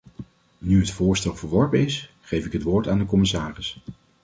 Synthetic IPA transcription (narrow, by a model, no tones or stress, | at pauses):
nyɦətfʊːɹstɛlˠvəɹʋɔɹpənɪs | χejfɪkɦətʋʊːɹtaːndəkɔmɪsaːrɪs